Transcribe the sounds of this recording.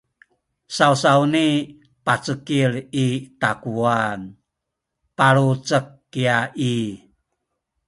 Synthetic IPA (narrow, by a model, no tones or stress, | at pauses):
sausauni | pat͡səkiɾit̪akuan | paɾut͡səkːiaʔi